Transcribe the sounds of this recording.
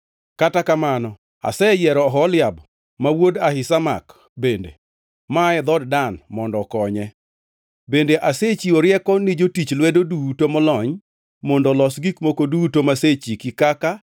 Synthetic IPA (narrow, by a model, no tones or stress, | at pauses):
katakamanɔ | a̰sɛjɛɾɔɦɔlɪab | mawodahɪsama̰k | bendḛ | maɛd̪ɔddanmɔndɔkɔɲɛ | bendeʔaset͡ʃiɔɾjɛkɔnid͡ʒotit͡ʃlwɛdodutomɔlɔɲ | mɔndɔlɔsɡikmokodutomaset͡ʃikɪkaka